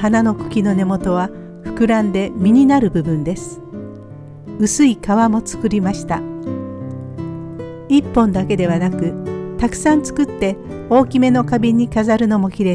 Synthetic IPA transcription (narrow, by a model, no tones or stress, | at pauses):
hanano̞kɯ̟̥kʲino̞ne̞mo̞t̪o̞βa | ɸɯ̟̥kɯ̟ɾãnd̪e̞mʲiɲ̟inaɾɯ̟bɯ̟bɯ̟̃nd̪e̞sɨ̥ | ɯsɨikaβamo̞t͡sɨ̥kɯ̟ɾʲimaɕi̥t̪a̰ | ipːõ̞nd̪ake̞d̪e̞β̞anakɯ̟t̪akɯ̟̥sãnt͡sɨ̥kɯ̟t̪ːe̞ | o̞ːkʲime̞no̞kabʲiɲ̟ikazaɾɯ̟no̞mo̞kʲiɾe̞